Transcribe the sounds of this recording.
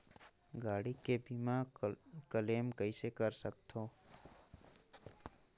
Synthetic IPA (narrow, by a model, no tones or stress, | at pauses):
ɡaːɽikebiːmakəleːmkəisekəɾsəkt̪ʰoː